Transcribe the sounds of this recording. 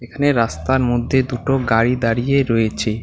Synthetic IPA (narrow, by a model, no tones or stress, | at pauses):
ekʰaneɾast̪aɾmod̪ʱːed̪uʈoɡaɾid̪aɾijeɾojet͡ɕʰe